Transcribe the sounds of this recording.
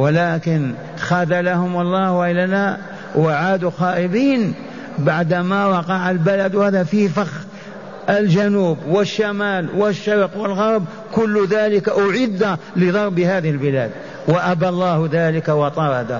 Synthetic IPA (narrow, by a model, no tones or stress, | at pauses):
wɪlaːkɪn | xad̪alahʊmɑlˤːɑːhwaʔɪlːala | waʕaːd̪uxɑːʔɪbiːn | baʕd̪mawɑqɑʕalbalad̪whaːðafifax | ʔɪld͡ʒanuːbwɪʃːamaːlwɪʃːɑɾqwɪlɣɑɾˤb | kʊlːðaːlɪkaʔʊʕɪd̪alɪðˤɑɾˤbɪhaːðɪhɪlbɪla̰ːd̪̚ | waʔabalˤːɑːhðaːlɪkawɑt̪ˤɑɾˤɑd̪a